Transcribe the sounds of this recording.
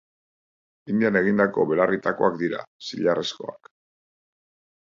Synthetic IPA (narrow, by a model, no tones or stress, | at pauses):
ind̪iane̞ɣ̞ind̪ako̞βe̞larit̪ako̞akd̪iɾa̰siʎaresko̞a̰k